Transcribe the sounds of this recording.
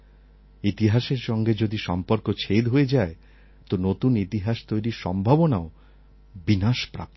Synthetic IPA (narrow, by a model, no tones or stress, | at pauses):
it̪iɦaʃeɾʃɔŋɡed͡ʑod̪iʃɔmpoɾkot͡ɕʰed̪ɦoed͡ʑae | t̪onot̪unit̪iɦaʃt̪ojɾiɾʃɔ̰mbʱabonao | binaʃpɾa̰p̚t̪o